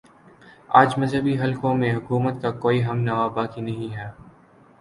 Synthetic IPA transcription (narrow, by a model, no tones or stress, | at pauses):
aːd͡ʒmɐzɦəbiɦɐlkõmẽɦʊkuːmət̪kakoːiɦɐmnaʋabaːkinɐɦĩɦɛː